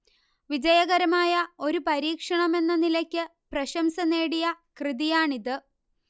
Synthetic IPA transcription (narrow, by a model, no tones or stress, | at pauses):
ʋid͡ʑɐjɐɣɐɾɐmaːjɐo̞ɾupɐɾiːkʂɐɳɐme̞nːɐnilɐkʲːɨ | prɐɕɐmsɐne̞ːɽijɐkrɨðijaːɳiðɨ